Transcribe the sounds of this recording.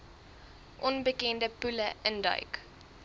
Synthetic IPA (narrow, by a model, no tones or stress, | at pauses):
ʔɔnbəkɛndəpʉləʔəndœ̰ɥk